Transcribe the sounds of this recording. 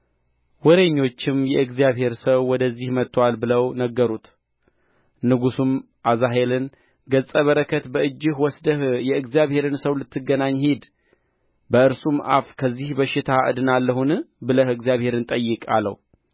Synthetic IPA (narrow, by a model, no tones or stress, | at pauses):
wɔɾe̞ɲːo̞t͡ʃːɪmjɛɨɡzijaβhe̞ɾsəwːɔd̪əzːihmət̪ʰːwalbɨləwnəɡːəɾut̪ | nɨɡusum | ʔazaɦe̞lɨn | ɡət͡sʼəβəɾəkʰət̪bəɨd͡ʒːɪhwɔsd̪əhjɛɨɡzijaβhe̞ɾɨnsəwlɨt̪ːɨɡːənaɲːhid̪ | bəɨɾsumʔa̰fkʰəzːihbəʃɪt̪ʰaʔɨ̰d̪ɨnalːəhunɨbɨləhɨɡzijaβhe̞ɾɨnt̪ʼəjːɨkʼa̰lːə̰wu